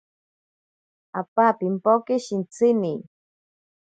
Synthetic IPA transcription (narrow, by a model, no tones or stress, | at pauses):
apapimpokiʃint͡sɪni